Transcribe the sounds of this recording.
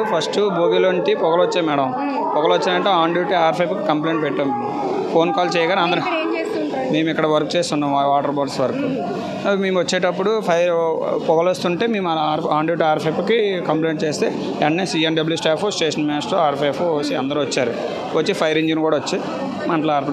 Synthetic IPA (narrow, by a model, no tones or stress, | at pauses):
pʰɐsʈuboːbiloːɳʈipɔɡɐlʋot͡ʃːeːmɛɽɐm | pɔɡɐlʋot͡ʃːind̪ɐɳʈeːaːɳɖjuːʈiaːɾpʰɐjpki̥kɐmpleːɳʈ̚pɛʈːaːmmeːmu | pʰo̞ːnkaːlt͡ʃɛːjɐɡaːnɐnd̪ɐɾ | me̞ːmuikːɐɽɐʋɐɾkut͡ʃeːst̪unːaːmʋaːʈɐɾbaːɖsʋɐɾɐku | meːmʋɐt͡ʃːeːʈɐpːuɽupʰɐjɾpɔɡɐlost̪uɳʈeːmeːmɐlaːɾaːɳɖjuːʈaːɾpʰɐjpkikɐmpleːɳʈ̚t͡ʃeːst̪ḛː | ɛɐnniːsiːɐnɖɐbljuːsʈaːpʰusʈeːʂɐnmaːsʈoaːɾpʰepʰuoːsiɐnd̪ɐɾuʋɐt͡ʃːaːɾu | ʋot͡ʃːipʰɐjɐɾiɲd͡ʒinkuːɽaːʋot͡ʃːi | mɐɳʈlaːɾpʰ